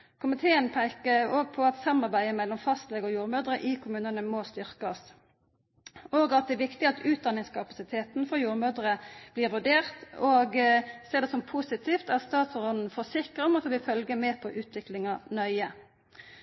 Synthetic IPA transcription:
kʰʊmɪt̪ʰeːənpʰæɪkəoːɡ̚pʰɔɑt̪sɑmːɑʁbæɪəmɛlːɔmfɑst̪lɛːɡɔːjuːʁmøːd̪ɾəʔɪkʰʊmʉːnənəmost̪ʏʁkɑs | oːɡɑt̪̚d̪ɛːʋɪkt̪ɪɑt̪ʰʉːt̪̚d̪ɑnːɪŋskʰɑpɑsɪt̪ʰeːt̪n̩fɔjuːɾmøːd̪ʁəb̥liːʁʋʉɖeːʁt̪oːɡseːʁd̪ɛsɔmpʰusɪt̪ʰiːft̪ɑt̪st̪ɑːt̪sɔʁɔd̪n̩fɔsɪkəʁɔmɔt̪ːʋɪfœlɡəmeːpʰɔʔʉːt̪ʰʋɪklɪŋɑnœʏə

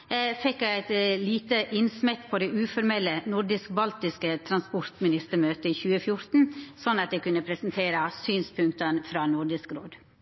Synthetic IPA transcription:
fɛkːæɪæɪt̪liːt̪əʔɪnsmɛt̪pʰoːd̪ɛʔʉːfɔɾmɛlːənʊɾɖɪsk̚bɑlt̪ɪskət̪ʰɾɑnspɔɾt̪mɪnɪst̪əɾmøːt̪əiːçʉːəfjʊɾt̪n̩sɔnːɑt̪̚d̪ɛkʉnːəpʰɾɛsn̩t̪ʰeːɾəsyːnspʰʉŋk̚t̪ənfɾɑːnʊɾɖɪskɾoːd̪

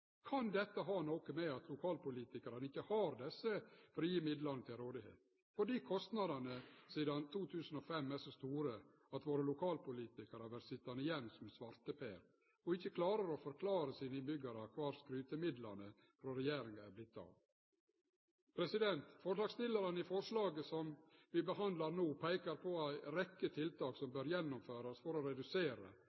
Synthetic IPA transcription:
kʰɑnd̪ɛt̪ːəɦɑːnoːkəmɛɑt̪ʰlʊkʰɑːlpʊliːt̪ɪkɑɾɑnəɪçːəhɑːɾd̪ɛsːəfɔɾɔjiːmɪd̪lɑnət̪ʰɪlɾoːd̪ɪhḛːt̪ | fɔɖiːkʰɔst̪nɑd̪ɑnəsiːd̪ɑnt̪ʰuːt̪ʰʉːsən̩ɔfɛmːæʂɔst̪uːɾə | ɑt̪ʋoːɾəlʊkʰɑːlpʊliːt̪ɪkəɾəʋæɾsɪt̪ːɑnəɪjɛnːsɔmɛsʋɑɾt̪əpeːɾ | ɔɪçːəkʰlɑːɾəɾɔfɔɾkʰlɑːɾəsiːnəɪnbʏɡɑɾəkʰʋɑːɾskɾʉːt̪əmɪd̪lɑnə | fɾɔɾɛjeːɾɪŋəæɾblɪt̪ːɑ̰ːʋ | pʰɾɛsɪd̪ɛnt̪fɔʂlɑːɡst̪ɪlɑɾɑnəɪfɔʂlɑːɡəsɔmʋɪbəhɑnd̪lɑɾnuːpʰæɪkɑɾpʰɔæɪɾɛkːət̪ʰɪlt̪ʰɑːksɔmbøɾjɛnːʊmføːɾɑsfɔɾɔɾɛd̪ʉseːɾə̰

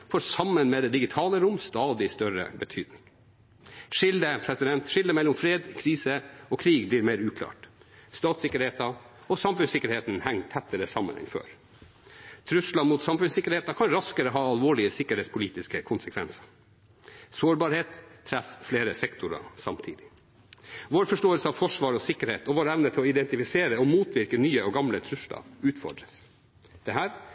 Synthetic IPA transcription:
fɔɾsɑmːənmɛːd̪ɛːd̪ɪɡɪt̪ʰɑːləɾʊmst̪ɑːd̪ɪst̪œɾə̰bət̪ʰyːd̪nɪŋ | ʂɪld̪əpʰɾɛsɪd̪ɛnt̪ʂɪld̪əmɛlːɔmfɾeːd̪kʰɾiːsəɔkʰɾiːɡbliːɾmeːɾʉːkʰlɑ̰ːʈst̪ɑːt̪sɪkːəɾheːt̪ɑɔsɑmfʉnsɪkːəɾheːt̪nhɛŋt̪ʰɛt̪ːəɾəsɑmːə̰nɛ̰nfø̰ːɾ | t̪ʰɾʉslɑmuːt̪sɑmfʉnsɪkːəɾheːt̪ɑkʰɑnɾɑskəɾəɦɑːɑlʋoːɭɪəsɪkəɾeːtspʰʊliːt̪ɪskəkʰʊnsəkʰʋɛnsɑ̥ | soːɾbɑːɾheːt̪ʰːɾɛffleːɾəsɛkt̪ʰʊɾɑ̰sɑ̰mt̪ʰiːd̪ɪ | ʋoːɾfɔʂʈoːəlsəɑʋfɔʂʋɑːɾɔsɪkəɾheːt̪ɔʋoːɾæʋnət̪ʰɪlɔɪd̪ɛnt̪ɪfɪseːɾəɔmuːt̪ʰʋɪɾkənyːəɔɡɑmlət̪ʰɾʉslɑ̰ʉːt̪fɔ̰ɖɾəs | d̪̥ɛɦæːɾ

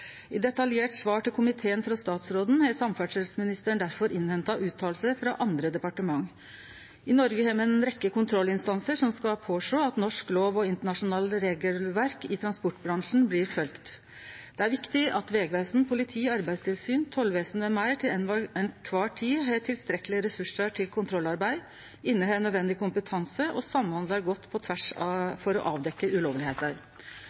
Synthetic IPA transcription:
ɪd̪ɛt̪ɑljeːʈsʋɑːʈɪlkʰʊmɪt̪ʰeːənfɾɑst̪ɑːt̪sɾoːd̪n̩hɛsɑmfæɖʂɛlsmɪnɪst̪əɳd̪æɾfɔɾʔɪnhɛnt̪ɑʔʉːt̪ʰɑːlsəfɾɑ̰ʔɑnd̪ɾəd̪ɛpɑʈəmɑŋː | ɪnɔɾɡəheːɾmɛɛnɾɛkːəkʊnt̪ʰɾɔlːɪnst̪ɑnsəʂɔmskɑpʰoːʂoːɑt̪nɔʂkloːʋɔɪnt̪əɳɑʂʊnɑːlɾeːɡəlʋæɾkɪt̪ʰɾɑnspɔʈbɾɑŋʂn̩bliːɾfœlkt̪ | d̪̥ɛæɾʋɪkt̪ɪʔɑt̪ʋeːɡʋeːsn̩pʰʊlɪt̪ʰiːɔɑɾbæɪd̪st̪ʰɪlsyːnt̪ʰɔlʋeːsnʋɛmæɪʈʰɪlɛnʋɑɛnkʰʋɑːʈʰiːɦɑːʈʰɪlst̪ɾɛkːəlɪəɾɛsʉʂəʈʰɪlkʰʊnt̪ʰɾɔlːɑɾbæɪ | ɪnːəheːnːød̪ʋɛnd̪ɪkʊmpət̪ʰɑnsəʔɔsɑmːhɑnd̪ləɾɡɔt̪ːpʰɔt̪ʰʋæʂfɔɾɔ̰ʔɑːʋd̪ɛkːəʔʉloːʋlɪheːt̪əɾ

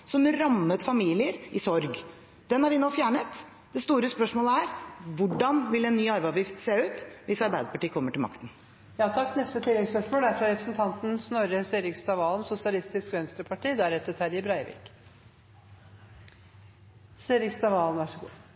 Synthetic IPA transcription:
sɔmɾɑmːət̪fɑmiːlɪəɾɪsɔɾɡ | d̪̥ɛnhæɾʋɪnoːfjæːɳət̪ | d̪̥ɛst̪uːɾəspœʂmoːləæɾʋʊɖɑnʋɪlɛnːyːɑɾbæɑʋjɪft̪seːʉːt̪ʋɪsɑɾbæɪd̪əpɑʈiːəkʰɔmːəʈɪlmɑ̰kt̪n̩ | jɑːt̪ʰɑkːnɛst̪ət̪ʰɪlːɛɡspœʂmoːld̪æɾfɾɑɾɛpɾə̥sn̩t̪ʰɑnt̪n̩snɔɾəseːɾɪkst̪ɑʋɑːlnsʊsɪɑlɪst̪ɪskʋɛnst̪ɾəpʰɑʈiːd̪ɛæɾɛt̪ːət̪hæːɾɪbɾæɪʋɪ̰ːk | seːɾɪkst̪ɑʋɑːlnʋæʂɔɡṵː

